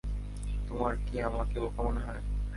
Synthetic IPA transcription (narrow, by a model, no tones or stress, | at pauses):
t̪omaɾkiamakeokɔmonɦɔe